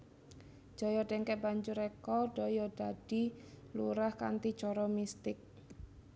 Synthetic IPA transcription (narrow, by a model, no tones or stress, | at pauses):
d͡ʒ̥ɔ̤jɔɖɛŋkɛʔbaɲd͡ʒʊɾɛkɔɖ̥ɔjɔɖ̥aɖ̥i̤luɾahka̰nt̪i̥t͡ʃɔɾɔmist̪ɪk̚